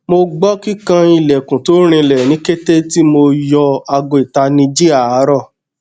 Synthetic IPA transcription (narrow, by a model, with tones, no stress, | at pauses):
mo˧ɡ͡bɔ˦ki˦kã˧i˨lɛ˨kũ˨to˨˦ɾ̃ĩ˧lɛ˨nĩ˨˦ke˦te˦ti˦mo˧jɔ˧a˧ɡo˧˨i˨ta˧nĩ˧d͡ʒi˦a˦˨a˨˦ɾɔ˦˨